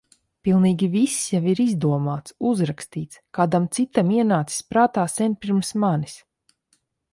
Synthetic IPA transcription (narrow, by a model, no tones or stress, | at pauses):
pilˠniːɡʲivisjaviɾizd̪uɔmaːt̪suzɾakst̪iːt̪skaːd̪amt̪sit̪amiɛnaːt̪si̥spɾaːt̪aːsɛnʲpʲiɾmsmanis